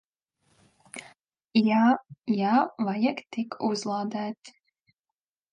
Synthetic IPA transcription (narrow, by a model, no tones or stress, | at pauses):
jajaːvajakt̪ikʰuzlˠaːd̪æːt̪ʲ